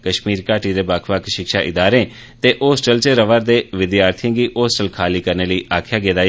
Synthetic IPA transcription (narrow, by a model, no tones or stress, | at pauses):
kəʃmiːɾkaːʈiːd̪eːbakʰʋəkʰʃɪkʃaːʔɪd̪aːɾẽː | t̪eːʔoːsʈəlt͡ʃəɾəʋəɾd̪eːʋɪd̪jaːɾt̪ʰjãːɡiːʔoːsʈəlkʰaːliːkəɾneːləiːʔaːkʰjaːɡeːd̪aː